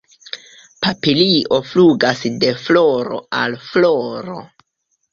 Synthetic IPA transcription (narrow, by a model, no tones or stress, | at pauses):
papiliʔo̞fluɡasde̞flo̞ɾo̞̰alfloɾo̞̰